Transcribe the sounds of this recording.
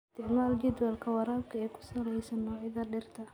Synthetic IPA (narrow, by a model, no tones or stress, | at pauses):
t̪ʰɪʕmaːld͡ʒɛd̪wɐlkʰɐwɐɾaːbkʰɐɛjkʰʊ̥sɐlɛjsɐnːɔːʕɪðɐɖɪrt̪ʰɐ